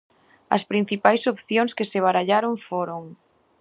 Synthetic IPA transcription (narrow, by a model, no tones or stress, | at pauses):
ɐ̰spɾin̟θipajsopθjoŋskeseβ̞aɾaʎaɾoɱfoɾoŋ